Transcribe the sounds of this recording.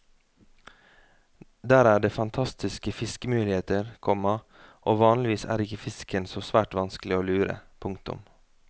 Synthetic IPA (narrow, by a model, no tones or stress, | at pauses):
d̪æːɾæːɖeːfɑnt̪ʰɑst̪ɪskəfɪskəmʉːlɪeːt̪əɾkʰɔmɑ | ʔoːʋɑːnlɪʋiːsæ̰ːɾɪkəfɪskənsoːsʋæːʈʋɑnsklɪoːlʉːɾə̰pʰʊŋkt̪ʊ̰m